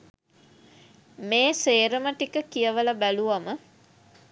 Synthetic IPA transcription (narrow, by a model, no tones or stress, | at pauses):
meːseːɾəməʈikəkijəʋəlabæluʋamə